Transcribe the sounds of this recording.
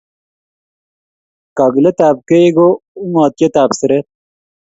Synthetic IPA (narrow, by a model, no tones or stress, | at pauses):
kaɡlet̪aːb̚keeɡoumaːt̪jɐt̪aːbsɐɾe